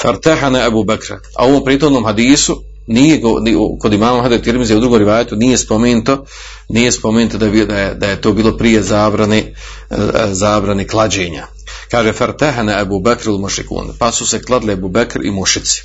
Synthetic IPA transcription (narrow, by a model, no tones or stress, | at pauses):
fa̰ɾt̪aɦanaabuːbakɾa | a̰o̞ʋo̞ːmpɾiːt̪hod̪noːmɦad̪iːsu | nijeɡon̰ko̞d̪imaːmamhad̪et̪iɾmizeud̪ɾuɡomɾiʋaːjet̪unije̞spomeːnut̪o̞ | nije̞spo̞meːnut̪od̪aid̪ajed̪ajet̪oːbiːlo̞pɾije̞zaːbɾane | zaːbɾaneklˠad͡ʑeːɲa̰ | kaːʒefaɾt̪aɦanaabuːbakɾalmuʃɾḭkṵːnpasuse̞klˠad̪liabuːbakɾḭmuʃit̪si̥